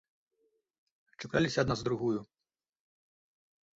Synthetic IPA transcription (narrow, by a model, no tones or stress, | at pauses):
t͡ʂɨkalʲisʲɐɐd̪nazd̪ɾuɣuju